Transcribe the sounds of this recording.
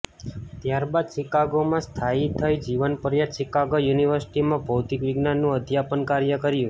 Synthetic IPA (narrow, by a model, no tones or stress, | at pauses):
t̪jaɾbad̪ʃɪkaɡomãst̪ʰait̪ʰːajd͡ʒiʋənpəɾjat̪ʃikaɡojuniʋəɾsi̥ʈimãbʱəwt̪ikʋɪɡnanːũəd̪ʱjapənkaɾjəkəɾjũ